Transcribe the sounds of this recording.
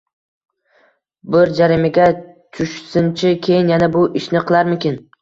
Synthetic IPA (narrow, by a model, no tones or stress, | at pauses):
bɪɾd͡ʒaɾɪmɪɡʲa | t͡ʃʰʊʃsɪnt͡ʃʰɪkʲʰe̞jɪnjanabʊʔɪʃnɪqʰɨlˠaɾmɪkʲɪn